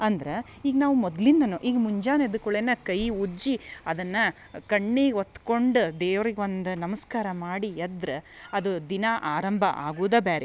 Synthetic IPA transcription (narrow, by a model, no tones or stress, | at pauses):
ɐnd̪ɐɾe | iːɡɐnaːʋumɔd̪ɐlind̪ɐnuːʔiːɡɐmuɲd͡ʒaːned̪ukoɭeːnɐkɐjud͡ʒiɐd̪ɐnːɐ | kɐɳːiːot̪ːkoɳɖud̪eːʋɾiɡeond̪ɐnɐmɐskaːɾɐmaːɽijɐd̪ɾɐɐd̪ud̪inɐʔaːɾɐmbʱɐ̰ʔa̰ːɡuːd̪ɐbaːɾe